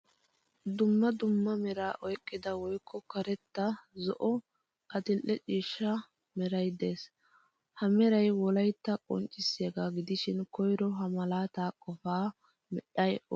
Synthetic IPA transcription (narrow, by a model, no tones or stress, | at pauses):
d̪ʊmːɐd̪ʊmːɐmɛɾaːʔɔjkʼːɪd̪ɐwɔjkʰːɔkɐɾɛt̪ːɐzɔʔɔ | ʔɐt̪ɪlʔːɛt͡ʃʼiːʃːɐ | mɛɾɐjd̪e̞ːs | hɐmɛɾɐjwɔlɐjt̪ːɐkʼɔ̰nt͡ʃʼːɪsːeːɡaɡɪd̪ɪʃɪnkʰɔjɾɔɦɐmɐlaːt̪aːkʼɔfaː | mɛɗɐjɔ